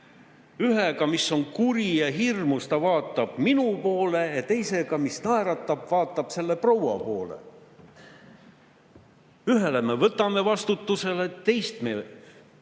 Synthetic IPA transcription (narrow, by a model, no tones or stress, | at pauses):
yɦeɡɑmisːo̞nkuɾijɑɦirmust̪ɑvɑːt̪ːˑɑb̥̚minupo̞ːle̞jɑt̪e̞jse̞ɡ̥ɑmisnɑeɾɑt̪ːˑɑb̥vɑːt̪ˑːɑb̥se̞lːe̞prowɑ̰po̞ːlḛ | yɦe̞le̞me̞vɤt̪ːˑɑme̞vɑst̪ut̪ːˑuse̞let̪e̞jst̪me